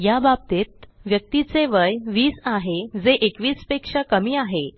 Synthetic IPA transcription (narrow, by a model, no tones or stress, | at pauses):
jabab̚t̪et̪̚ʋjək̚t̪it͡seʋəjʋiːsaɦed͡zeʔekʋiːspekʂakəmiːaɦe